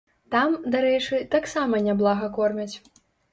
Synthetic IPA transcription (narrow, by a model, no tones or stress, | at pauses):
t̪amd̪aɾɛt͡ʂɨt̪aksamɐnʲablˠaɣɐkɔrmʲɐt͡sʲ